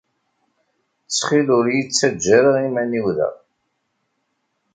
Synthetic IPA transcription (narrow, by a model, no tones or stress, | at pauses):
t͡sːχilʊɾjit͡sːæd͡ʒːæɾəʁimæniwðə̰ʁ